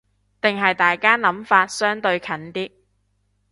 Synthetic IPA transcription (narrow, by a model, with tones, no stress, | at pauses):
t̪ɪ˨ŋɦɐ˨jt̪aː˨jkaː˥nɐ˨˥mfaː˧t̚sœː˥ŋt̪ɵ˧ɥkʰɐ˨˥nt̪iː˥